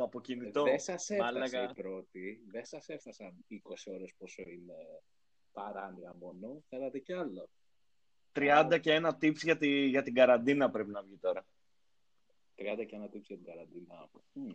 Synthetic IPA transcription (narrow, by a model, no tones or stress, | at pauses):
ɐpo̞cinit̪oesɐseelɐɣɐipɾo̞t̪iðesɐse̞fθɐsɐniko̞sio̞ɾe̞sposoine̞ | pɐɾɐniɣɐmo̞no̞θelɐt̪e̞ceɐlo | t̪ɾiɐnd̪ɐceenɐt̪ipsʝɐt̪iʝɐt̪iɡɐɾɐnd̪inɐpɾe̞pinɐvʝit̪o̞ɾɐ | t̪ɾiɐnd̪ɐceenɐt̪ipsʝɐt̪iɡɐɾɐnd̪inɐ